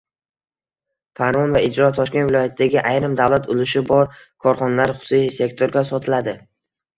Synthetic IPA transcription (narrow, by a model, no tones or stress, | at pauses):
faɾmɒnvaɪd͡ʒɾɒt̪ʰɒʃkʲe̞nvɪlˠɒjat̪ʰɪd̪aɡʲɪʔajɾɪmd̪avlat̪ʰʊlɪʃɪbɒɾ | kʰɒɾχɒnalaɾχʊ̥sʊsise̞kt̪ʰoɾɡʲasɒt̪ʰɪlad̪ɪ